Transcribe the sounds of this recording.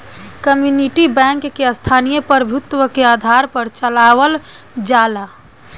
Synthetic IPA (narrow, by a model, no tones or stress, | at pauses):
kəmjuniʈibɛ̃ŋkːeəst̪ʰanijəpəɾəbʱut̪wəkead̪ʱaɾpəɾt͡ʃəlawəl | d͡ʒala